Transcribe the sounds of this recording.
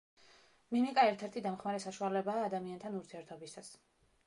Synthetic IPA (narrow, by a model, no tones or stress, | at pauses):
minikʼaɛɾt̪ʰɛɾt̪ʰid̪amχmaɾɛsaʃualɛbaːd̪amiant̪ʰanuɾt̪ʰiɛɾt̪ʰɔbist̪ʰas